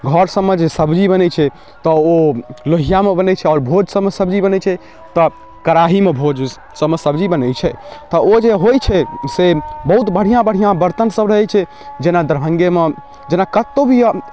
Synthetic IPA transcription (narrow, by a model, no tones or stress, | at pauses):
ɡʱɔɾsəmːəd͡ʒʱsəbd͡ʒibənɛt͡ʃʰɛ | t̪ɔoloɦijamebənɛt͡ʃʰɛɔːɾbʱod͡ʒsəmːesəbd͡ʒibənɛt͡ʃʰɛ | t̪ɔ | kəɾaɦimebʱod͡ʒ | səmesəbd͡ʒibənɛt͡ʃʰɛt̪ɔod͡ʒeɦojt͡ʃʰɛsebəɦut̪bəɽ̤ijãbəɽ̤ijãbəɾt̪ənsəbɾəɦɛt͡ʃʰɛ | d͡ʒenad̪əɾbʱə̃ŋɡeme | d͡ʒenakət̪ːobʱi